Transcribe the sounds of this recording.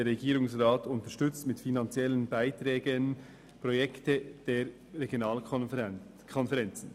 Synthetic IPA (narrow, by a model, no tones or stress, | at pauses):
eɾːeɡiːɾʊŋsʁaːtʰʊntəʃtʏt͡stmɪtfinɑnt͡sjɛlənbaɪtɾɛːɡən | pʁojɛktəd̥eːɾː | eɡjonaːl | kʰɔnfɛʁɛnt͡sn̩